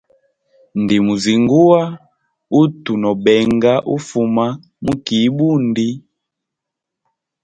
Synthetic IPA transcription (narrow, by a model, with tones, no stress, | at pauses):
n˨di˨mu˨zi˨ŋɡu˦a˦ | u˦tu˨nɔ˨ɓɛ˨ŋɡa˦ʔu˦fu˨ma˦ | mu˦ki˨˦ɓu˦ndi˦